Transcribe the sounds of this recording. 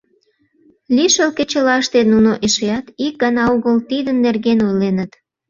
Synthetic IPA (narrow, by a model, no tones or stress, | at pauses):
lʲiʃəlket͡ɕəlɑʃt̪enunoʔeʃejɑt̪ik̚ɡɑnɑoɣəlt̪id̪ənːerɣenojlenət̪